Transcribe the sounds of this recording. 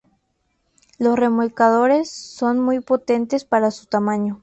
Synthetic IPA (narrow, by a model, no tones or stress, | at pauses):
lo̞sre̞molkaðo̞ɾe̞sːo̞nmujpo̞t̪e̞nt̪e̞spaɾasu̥t̪amãɲo̞